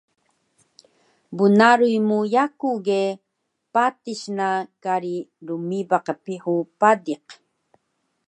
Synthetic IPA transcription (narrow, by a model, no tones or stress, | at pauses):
bunaɾujmujakuɣe | patiɕnakaɾiɾumibaqəpiħupadiq